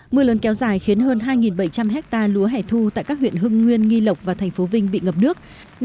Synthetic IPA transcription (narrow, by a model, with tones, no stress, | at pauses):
mɨ˧ələ˨˦nkɛ˨˦wzaː˧˩jxi˨˦ənɦəː˧nɦaː˧jŋi˨˩nɓə˧˩jt͡ɕa˧mɦɛ˦˥k̚t̪aː˧lu˨˦əɦɛ˧˩t̪ʰu˧t̪a̰ː˧˨jkaː˦˥k̚hwḭ˧˨ənɦɨ˧ŋːwi˧ənŋi˧lə˨˩wk͡p̚vaː˨˩t̪ʰɛ˨˩ŋ̟fo˨˦vï˧ŋɓḭ˧˨ŋə˨˩p̚nɨ˦˥ək̚